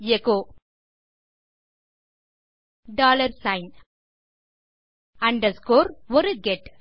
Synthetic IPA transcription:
jekoː | ɖaːlɐɾsãɪn | ɐ̃ɳɖɐskoːɾʋɔɾɨɡɛʈ

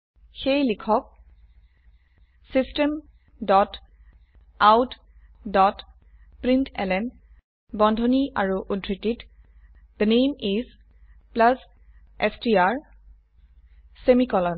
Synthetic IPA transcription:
xejlikʰɔk̚ | sistɛm | dɔt | awt | dɔt | pɹintʰɛ̰lɛn | bɔndʱɔniʔa̰ɹuʔudʱɹitit | d̪̥ənejmiz | plas | ɛstiaɹ | semikɔlɔn

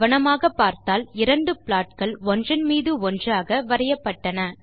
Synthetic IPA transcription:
ʋɐɳɐmaːɣɐpːaːɾt̪aːlɪɾɐɳɖɯpɪɭaːʈ̚kɐɭɔndrɪnmiːðɯɔndraːɣɐʋɐɾɐjɐpːɐʈːɐnɐ

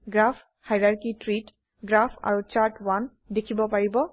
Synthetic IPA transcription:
ɡɹapʰ | hajɹaɹkitɹit | ɡɹapʰa̰ɹut͡ʃaɹtwan | dekʰibɔpaɹibɔ

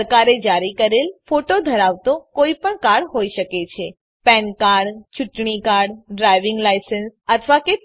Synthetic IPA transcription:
əɾkaɾed͡ʒaɾikəɾelfoʈod̪ʱəɾaʋt̪okoipəɳkaɽɦojʃəket͡ʃʰe | pɛnkaɽt͡ʃuʈɳ̃ikaɽɖɾajʋɪŋɡlajsənsət̪ʰʋake

